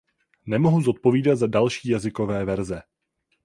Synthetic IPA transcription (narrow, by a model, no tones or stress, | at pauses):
nɛmo̞ɦuzo̞t̪̚po̞viːdat̪zadalʃiːjazɪko̞vɛːvɛɾzɛ